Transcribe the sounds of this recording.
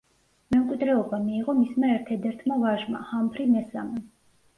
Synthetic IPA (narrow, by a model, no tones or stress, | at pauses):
mɛmkʼwid̪ɾɛɔbamiːʁɔmismaɛɾt̪ʰɛd̪ɛɾt̪ʰmavaʒma̰hampʰɾimɛsa̰mɛ